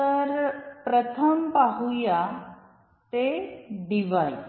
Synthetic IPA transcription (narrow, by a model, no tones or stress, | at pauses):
t̪əɾpɾət̪ʰəmpaɦuja | t̪eɖiʋaj